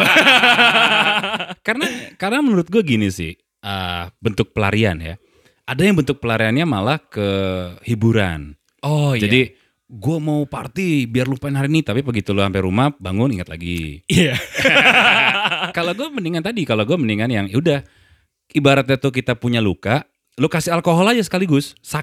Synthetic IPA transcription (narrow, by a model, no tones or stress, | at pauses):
kaɾənakaɾənamənuɾʊt̪̚ɡuaɡinisɪ̰h | əbənt̪ʊk̚pəla̰ɾia̰nja̰ | ʔadajaŋbənt̪ʊk̚pəlaɾianɲamalahkəhibuɾa̰n | ɔd͡ʒadi | ɡuamaupa̰rt̪ibiarlupaɪnɦaɾinit̪apipəɡit̪ulʊsampɛɾumahbaŋʊniŋat̪̚la̰ɡḭia | kaloɡuaməniŋant̪adikaloɡuaməniŋanjaŋudah | ʔibaɾat̪̚ɲat̪uk̬it̪apuɲalukaʔ | lʊkasɪalkoɦɔlad͡ʒas̬ə̥kaliɡʊsːa